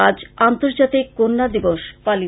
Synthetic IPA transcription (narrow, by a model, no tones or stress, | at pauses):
ad͡ʑant̪oɾd͡ʑat̪ikːonːad̪iboʃpali